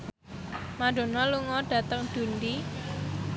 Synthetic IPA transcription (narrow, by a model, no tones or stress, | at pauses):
maɖ̥o̤nɔluŋɔɖ̥ä̤t̪əŋd̪̥ṳnd̪i